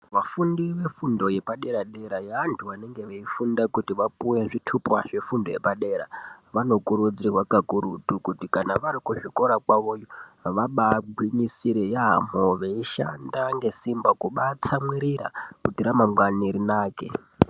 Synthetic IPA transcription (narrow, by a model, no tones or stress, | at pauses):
ʋafundiʋe̞fundo̞je̞paɗe̞ɾaɗe̞ɾajaːntʰuʋane̞ŋɡe̞ʋeifundakutiʋapuwe̞ʐitʰupwaʐe̞fundo̞je̞paɗe̞ːɾa̰ʋano̞kuɾud͡zirwakakuɾutukutikanaʋaɾikuʐiko̞ɾakwaʋo̞ːjoʋaɓaɡʱwiɲisiɾejaɦa̰moʋeiʃa̰ndaŋɡe̞simbakuɓat͡samwiɾiɾa̰kutiɾamamwaniɾinaːke